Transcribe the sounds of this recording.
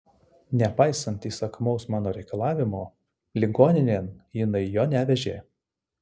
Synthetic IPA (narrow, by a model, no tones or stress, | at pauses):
nʲɛpɑɪsɐnt̪iːsɐkmɒʊsmɑːnoːɾʲɛɪkɐlˠɑːʋʲɪmoː | lʲɪɡoːnʲɪnʲeːmjɪnɐɪjoːnʲæʋʲɛʒʲḛː